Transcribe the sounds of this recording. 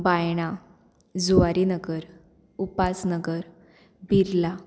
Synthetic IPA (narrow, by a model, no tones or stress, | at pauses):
bajɽ̃a | d͡zuaɾinəɡəɾ | upasnəɡəɾ | biɾla